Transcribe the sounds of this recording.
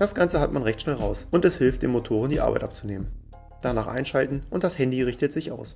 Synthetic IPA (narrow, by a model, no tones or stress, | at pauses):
d̥asɡ̥ant͡səɦatmanʁɛçtʃnɛlʁaʊsʔʊntɛshɪlft̚d̥ḛːnmotʰoːʁ̞əndiːʔa̰baɪtʔa̰pt͡suneːmən | d̥anaːχʔa̰ɪnʃaltn̩ʔʊnt̚d̥ashɛndiʁɪçtətz̥ɪçʔa̰ʊs